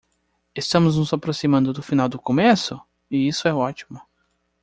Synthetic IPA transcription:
est̪ɐ̃mʊznʊzapɾosimɐ̃nd̪ʊd̪ʊfinawd̪ʊkomesʊ | ɪisʊɛɔt͡ʃi̥mʊ

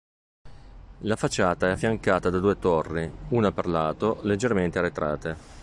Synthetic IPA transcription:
lafat͡ʃːaːt̪aɛafːjaŋkaːt̪ad̪ad̪uːet̪orːiuːnaperlaːt̪oled͡ʒːerment̪eaɾet̪ɾaːt̪e

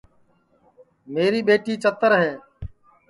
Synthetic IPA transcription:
meːɾiːɓeːʈiːt͡ʃət̪əɾɦɛ̃ː

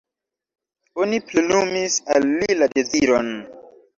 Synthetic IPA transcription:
oniplenumisalːiladeziɾo̞n

